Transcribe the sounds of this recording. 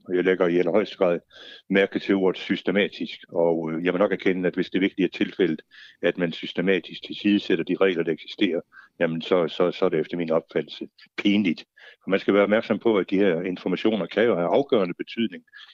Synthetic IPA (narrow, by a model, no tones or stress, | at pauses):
ɒjɑ̈ɪleɡ̥ɐiælɐhɒ̽ɪ̰sd̥əɡ̥ʁɑ̰ð̰ˠmæɐɡ̥əðt͡sʰe̝lo̝ɐð̩ˠsysd̥emɛ̰ːd̥isɡ̥ɒ̽jaɪmnɒ̽ɡ̥æɐkʰenəæd̥ʋe̝sd̥e̝ɐʋe̝ɐɡ̥̚d̥iæɐt͡sʰe̝lfel̰ð̩ˠæd̥mænsysd̥emɛ̰ːd̥isɡ̥t͡sʰe̝lsiːð̞ˠəsed̥ɐd̥iʁɛ̰ɪlɐd̥ɑ̈eɡ̥si̥sd̥e̝̰ːɐjæmənsɒ̽sɒ̽sɒæɐɾeefd̥ɐminɒ̽b̥fæd̥l̩sə | pʰe̝ːnlid̥ | ɒ̽mænsɡ̥æʋæːɐɒ̥mæɐɡ̥sɒ̽mpʰɒ̽æd̥iheɐ̰e̝nfɒmæɕo̝̰ːnɐkʰæjo̝hæɑ̈ʊɡ̥œ̰ɐnəb̥e̝t͡sʰy̰ð̞̰ˠne̝ŋ